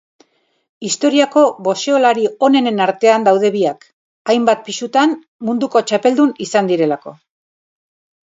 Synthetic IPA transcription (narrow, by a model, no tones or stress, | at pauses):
ist̪o̞ɾiako̞βo̞seolaɾio̞ne̞ne̞naɾt̪e̞and̪awðe̞βiak | ajmbat̪̚pisut̪an | mund̪uko̞t͡ʃape̞ld̪unisand̪iɾe̞lako̞̰